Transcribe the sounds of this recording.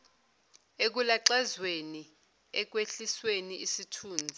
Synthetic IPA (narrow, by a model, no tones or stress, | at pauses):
ek̬ulaǁɛzweni | ɛk̬weɬisweniʔisitʰuːnd͡zʱi